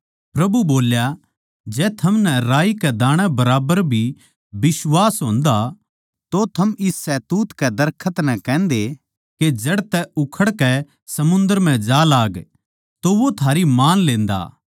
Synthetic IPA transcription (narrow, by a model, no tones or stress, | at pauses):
pɾɐbuboːlja | d͡ʒɛːt̪ʰɐmnɛɾaːikɛd̪aːɽ̃ɛbɐɾaːbəɾbʱi | bɪswaːsɦõːnd̪a | t̪ot̪ʰɐmɪsːɛt̪uːt̪kɛd̪ɐɾkʰət̪nɛ̃kɛ̃ːnd̪e | ked͡ʒɐɽt̪ɛʊkʰəɽkɛ | sɐmʊ̃nd̪əɾm̤ɛ̃d͡ʒaːlaːɡ | t̪oʋot̪ʰaːɾimaːnlẽːnd̪a̰ː